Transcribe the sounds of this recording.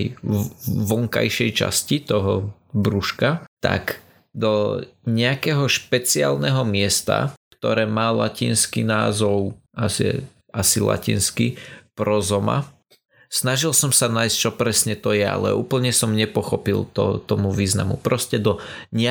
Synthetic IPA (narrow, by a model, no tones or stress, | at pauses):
j | ʋɔŋka̰jʃɛjt͡ʃa̰scit̪ɔɦɔbɾuʃkat̪a̰k | d̪ɔɲɛakɛːɦɔʃpɛt͡sia̰ːlnɛɦɔmɪɛst̪a̰kt̪ɔɾɛːmaːla̰ciːnskinaːzɔʊasḭ | asila̰cḭːnskipɾɔzɔma̰ | snaʒilsɔmsanaːjst͡ʃɔpɾɛsɲɛt̪ɔjɛa̰lɛ̰ʔuːpl̩ɲɛsɔmɲɛpɔxɔpilt̪ɔ̰t̪ɔmuʋiːzna̰mṵpɾɔscɛd̪ɔɲɛ